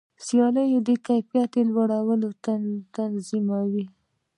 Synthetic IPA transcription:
sjɑləjed̪əkajpijat̪elwaɽawəlot̪ant̪anzimawi

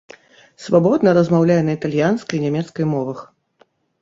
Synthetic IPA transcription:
svabɔd̪nɐɾɐzmawlʲajɛnɐit̪alʲjanskɐjnʲɛmʲɛt̪skɐjmɔvɐx

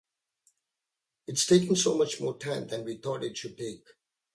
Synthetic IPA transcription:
ɪtstʰeːkə̃ŋsoːmʌt͡ʃmɔːtʰɛ̃nd̪ɛ̃nwit̪ɔtɪt̚ʃʊtek

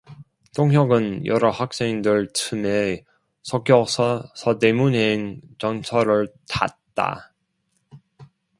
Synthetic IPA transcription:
tʰoŋɦjʌɡɯnjʌɾʌhak̚s͈eindɯɭtʰɯme | sʰʌkjʌsʰʌte̞munɦent͡ɕʌnt͡ɕʰʌɾɯɭta̰t̚t͈a̰

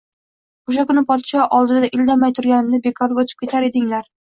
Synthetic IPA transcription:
oʃ̬akʊnɪpʰɒt̪ɪ̥ʃɒʔɒlˠd̪ɪd̪aʔɪld̪amajt̪ʰʊɾɡʲanɪnɪbe̞kʰɒɾbot̪ʰɪ̥p̚kʲʰe̞t̪ʰaɾe̞d̪ɪŋlaɾ

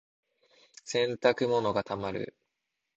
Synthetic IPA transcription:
sẽ̞nt̪akɯ̟mo̞no̞ɡat̪amaɾɯ̟̰

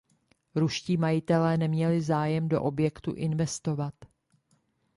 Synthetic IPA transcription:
ɾuʃciːmajɪt̪ɛlɛːnɛmɲɛlɪzaːjɛmdo̞̰ʔo̞bjɛkt̪ṵʔɪnvɛst̪o̞vat̪

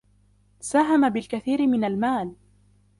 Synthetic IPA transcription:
saːɦamabɪlkaθiːɾɪmɪnalmaːl

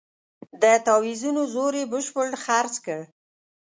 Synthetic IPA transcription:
d̪ət̪ɑwizunozoɾebəʃpəɽxaɾt͡skəɽ

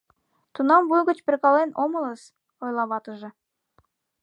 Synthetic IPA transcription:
t̪unɑmbujɡɤ̆t͡ɕbɘɾʲkɑlˠenʔomɤ̆lˠəs | ojlˠɑβɑt̪ɤʒɤ̆

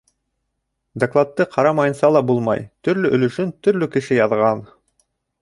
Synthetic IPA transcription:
d̪ɐklˠat̪ːɤqʰɑɾɑmɑjɤ̆nsɑlˠɑbulˠmɑ̰jt̪ɵ̆ɾlɵʔɵ̆lɵ̆ʃɵnt̪ɵ̆ɾlɵkɘ̆ʃɘjɑðʁɑn

